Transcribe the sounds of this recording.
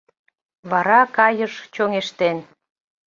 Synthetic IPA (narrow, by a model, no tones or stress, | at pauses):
βɑɾɑkɑjəʃt͡ɕoŋeʃt̪en